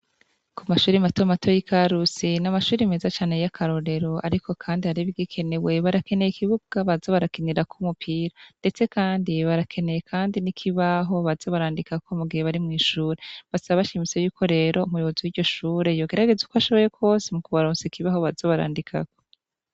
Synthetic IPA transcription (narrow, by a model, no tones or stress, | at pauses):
kʰumaʃuːɾimatomato̞jikʰaɾusinamaʃuːɾime̞ːzat͡ʃaːnejakʰaɾo̞ɾe̞ɾo̞aɾikʰo̞kʰaːndihaɾiβiɡikʰe̞ne̞we̞βaɾake̞nejikʰiβuɡɡ̥aβazoβaɾakineɾakʰumupʰiːɾande̞t͡se̞kaːndiβaɾakʰe̞ne̞jekʰaːndinikʰiβaɦo̞βazo̞βaɾaːndikakʰo̞muɡihe̞βaɾimŋiːʃuːɾe̞βasaβaβaʃimisejuːko̞ɾe̞ːɾo̞umujoβo̞ziwiːɾɟo̞ʃuːɾe̞jo̞ːɡe̞ɾaɡe̞zukoaʃo̞βo̞jekʰo̞ːsemukuβaɾoːnsikiβaho̞βazo̞βaɾa̰ːndikʰa̰ko̥